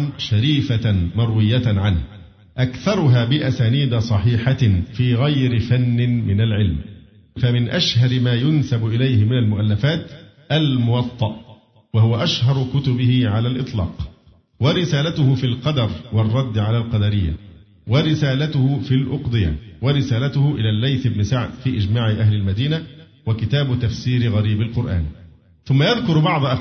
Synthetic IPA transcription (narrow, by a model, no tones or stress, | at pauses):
ʃaɾiːfamɑɾˤwɪjːaʕanh | ʔakθɑɾˤʊɦaːbɪʔasaːniːd̪asˤɑħiːħafiːɣajɾɪfanːɪmɪnalʕɪlm | famɪnʔaʃhɑɾɪmaːjʊnsabʊʔɪlajhɪmɪnalmʊʔalːafaːt̪ | ʔalmʊwɑt̪ˤːɑʔ | wahʊwaʔaʃhɑɾˤkʊt̪ʊbɪhɪʕalaːlʔɨt̪ˤlɑ̰ːq | waɾɪsaːlat̪ʊhʊfiːlqɑd̪ɑɾˤwɑrˤːɑd̪ːʕalaːlqɑd̪ɑɾɪjːa̰ | waɾɪsaːlat̪ʊhʊfilʔʊqd̪ˤɨja̰waɾɪsaːlat̪ʊhʊʔɪlaːlːajθɪbnɪsaʕd̪fiːʔɪd͡ʒmaːʕɪʔahlɪlmad̪iːna | wakɪt̪aːbʊt̪afsiːɾɪɣɑɾiːbɪlqʊɾʔa̰ːn | θʊmːajaðkʊɾbɑʕd̪ˤʔ